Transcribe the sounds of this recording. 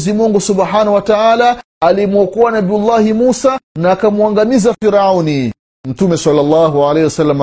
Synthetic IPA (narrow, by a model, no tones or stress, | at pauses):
zimɔŋɡusubħanahwataaːlaː | limwɔkuanabijulˤːahimusanaːkamuaŋɡamizafiɾauni | m̩tumɛsalːalːaːɦuʕalaːhiwasalːama